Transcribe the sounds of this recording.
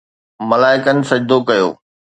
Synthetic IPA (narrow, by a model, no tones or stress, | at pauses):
mɐlaːɪkənɪ̆sɐd͡ʑd̪okɐjo̰ː